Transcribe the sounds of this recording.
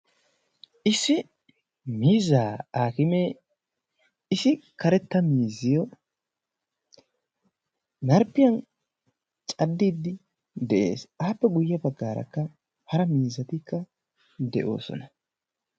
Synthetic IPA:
ʔɪsːɪ | miːzːaːaːkɪmeː | ɪsɪkɐɾɛt̪ːɐmiːzːɪjɔ | nɐɾpːɪjɐn | t͡ʃʼɐd̪ːiːd̪ːɪ | d̪ɛʔḛːsʔaːpːɛɡʊjːɐbɐɡːaːɾɐ̰kːɐ | hɐɾɐmiːzːɐt̪ɪkːɐ | d̪ɛʔo̞̰ːsɔ̰nɐ

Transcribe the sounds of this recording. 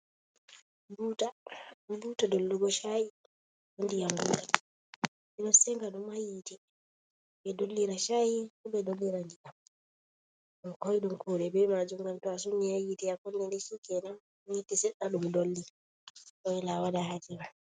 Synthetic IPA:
butabutadolːuɡɔʃaji | undijamɡuɡa | minɔsɛŋɡaɗumajitɛ | bɛdolːiɾaʃajikuɓɛdolːiɾaŋɡikam | ɔkɔjɗumkʰuɗɛbɛmad͡ʒumɡantɔas̬unːihajitɛakunːɛndɛsikɛna | jitisɛɗaɗumdolːi | ɗɔjilawadahad͡ʒiɾa

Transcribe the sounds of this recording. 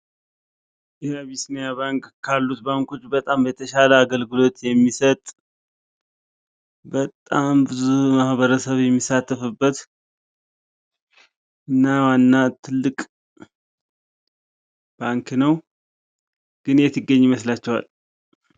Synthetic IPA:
jɛaβisnijaβaŋkkʰːalːut̪baŋko̞t͡ʃːbət̪ʼambət̪ʰəʃaləaɡəlɡɨlo̞t̪jɛmːisət̪ʼ | bət̪ʼambɨzumahβəɾəsəβjɛmːisat̪ʰːəfɨbːət̪ | ɨnːawanːat̪ʰɨlːɨkʼ | b̥aŋknəw | ɡ̥ɨnjɛt̪ʰɨɡːəɲːiməslat͡ʃːɛwa̰l

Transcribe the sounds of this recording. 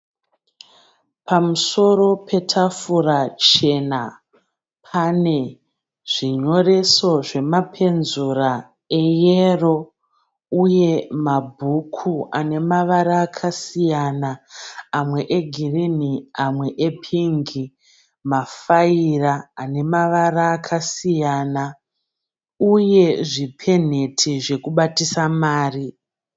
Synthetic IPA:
pʰamuso̞ɾo̞pʰe̞tʰafurat͡ʃe̞na | pʰane̞ | ʐ̥iɲo̞re̞so̞ʐe̞mapʰe̞nzura | e̞jero̞ | uje̞mabʱukʰuane̞maʋaɾaːkʰasijanaamwe̞ʔeɡʱiriniamwe̞ʔepʰiŋɡi | mafairaːne̞maʋaraːkʰasijaːna | uje̞ʐipʰe̞n̤e̞tʰiʐe̞kuɓatisamaːri

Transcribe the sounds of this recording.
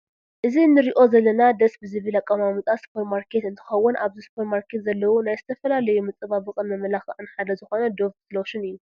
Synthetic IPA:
ʔɨzinːɨɾiʔo̞zɐlːɐnad̪ɐsbɨzɨβɨlakʼːɐmamɨt̪ʼaspʰoɾmaɾkʰe̞t̪ɨnt̪ʰɨ̥xɐwːʊnʔaβzispʰoɾmaɾkʰe̞t̪zɐlːɐwunajzɨt̪ʰɐfɐlalɐjumɨt͡sʼɨβabɨkʼɨnmɐmɐlaxɐʔɨnħad̪ɐzɨxo̞nɐd̪o̞ft̪zlowʃɪnɨjːu

